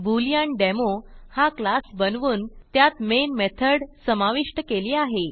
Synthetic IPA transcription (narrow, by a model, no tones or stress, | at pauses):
bulijaɳɖemohaklasbənʋuːnt̪jat̪menmet̪ʰəɽsəmaʋiʂʈəkeliːaɦe